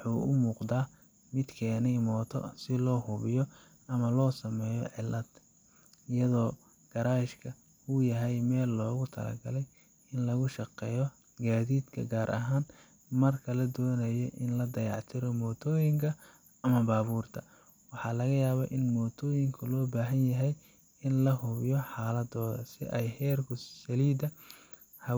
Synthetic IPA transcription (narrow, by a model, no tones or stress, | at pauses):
wħuːʊmuːqd̪aː | mɪd̪kʰɛːnɛjmɔːt̪ʰɔ̰sɪlɔːhʊβɪjɔ | ʔɐmɐlɔːsɐmɛːjɔ̰ʕɪlːɐd̪ | ɪjɐðɔː | ɡ̥ɐɾaːɪʃkʰɐ | ʊjɐɦɛjmɛːlːɔːɣʊt̪ʰɐ̰lɐ̰ɡɐlɛj | ɪnlɐɣʊʃɐqɛːjɔ | ɡaːðiːd̪kʰɐ̰ɡaːɾʔɐ̰ɦaːn | mɐrkʰɐlɐd̪ɔːnɐjɔʔɪnlɐd̪ɐjɑ̰ʕt̪ʰɪɾɔmɔːt̪ʰɔːjɪŋkʰɐ | ɐmɐbaːβuːrt̪ʰɐ | wɑħɑːlɐɣɐjaːβɐʔɪnmɔːt̪ʰɔːjɪŋkʰʊlɔːbaːɦɐnjɐɦɛj | ɪnlɐɦʊβɪjɔħɑːlɐd̪ɔ̰ːsɪ̰ʔɛjhɛːrkʰʊsɐliːd̪ɐ | hɐ